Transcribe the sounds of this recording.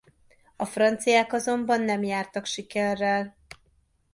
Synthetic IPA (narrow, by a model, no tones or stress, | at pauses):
ɒfrɒnt̪sijaːkɒzo̞mbɒnːɛmjaːrt̪ɒkʃikɛrːɛl